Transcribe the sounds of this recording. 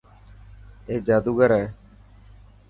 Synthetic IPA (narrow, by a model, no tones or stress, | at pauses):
eːd͡ʒaːd̪uːɡəɾɛː